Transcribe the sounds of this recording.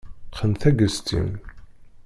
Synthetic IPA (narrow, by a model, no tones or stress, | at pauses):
qənθæɡəst̪ḭn